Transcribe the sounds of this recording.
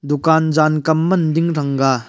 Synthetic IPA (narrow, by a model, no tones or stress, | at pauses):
d̪ukand͡ʒankɐmːɐnd̪iŋɾɐŋɡa